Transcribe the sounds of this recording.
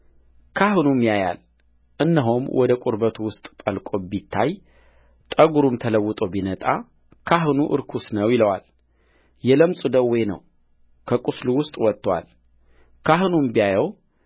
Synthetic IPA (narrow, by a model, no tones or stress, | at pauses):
kʰahɨnumːijaja̰l | ʔɨnːəɦomwʔɔd̪əkʷʼuɾbət̪ʰuwʊst̪ʼt̪ʼəlkʼobit̪ʰːaj | t̪ʼəɡuɾumt̪ʰələwːʊt̪ʼəwbinət̪ʼa̰ | kʰaɦɨnuʔɨ̰ɾkʰusnəwjɪləwa̰l | jɛləmsʼud̪əwɔjnə̰w | kʰəkʼusluwʊst̪ʼwɔt̪ːwa̰l | kʰaɦɨnumbijajəw